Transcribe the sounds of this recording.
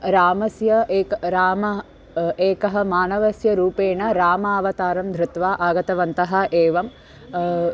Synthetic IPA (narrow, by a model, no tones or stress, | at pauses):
ɾaːmɐsjɐeːkɾaːmɐ | eːkɐɦɐmaːnɐʋɐsjɐɾuːpeːɳɐɾaːmaːʋɐt̪aːɾɐmd̪ʱɾut̪ʋaːʔaːɡɐt̪ɐʋɐnt̪ɐɦɐ̆ʔeːʋɐm